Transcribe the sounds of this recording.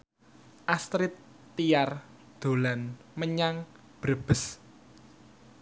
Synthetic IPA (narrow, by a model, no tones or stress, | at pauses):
ʔast̪ɾɪt̪ː | ijar | d̪̥o̤lanməɲaŋ | b̥ɾəb̥ə̤s